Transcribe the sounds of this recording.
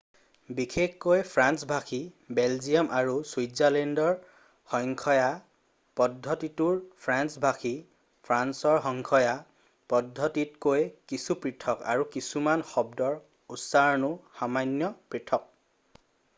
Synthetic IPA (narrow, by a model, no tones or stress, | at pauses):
bikʰekkojpʰɹansbʱakʰi | bɛlzijɔmʔaɹuswuzalɛndɔɹ | xɔŋkʰɔja | pɔdʱːɔtituɹpʰɹansbʱakʰi | pʰɹansɔɹxɔŋkʰɔja | pɔdʱːɔtitkojkisupɹitʰɔka̰ɹukisumanxɔb̚dɔɹ | usaɹɔnʊxamanjɔpɹitʰɔk̚